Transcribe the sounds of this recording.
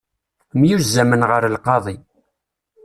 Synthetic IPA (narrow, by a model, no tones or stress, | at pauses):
mjuzːæmənʁəɾlqɑðˤi